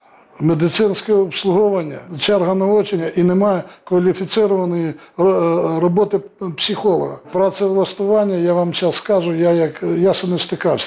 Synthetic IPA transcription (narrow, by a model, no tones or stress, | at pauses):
med̪ɪt̪sɪnsʲkɛɔpslˠʊɦɔʋɐnʲːɐ̰t͡ʃɛrɦɐnɐɔt͡ʃenʲːɐʔinemɑjɛkʋɐlʲifʲit̪sɪɾʊʋɐnɔji | rɔbɔt̪ɪpsʲɪxɔlˠɔɦɐpɾɐt̪sɛʋlˠɐst̪ʊʋɑnʲːɐjaʋɑmt͡ʃaskɑʒʊjajɐkjaʃɛnɛst̪ɪkɑwsʲɐ̥